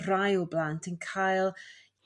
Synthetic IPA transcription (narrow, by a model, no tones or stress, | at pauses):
rajɔblantʰənkʰajlˠ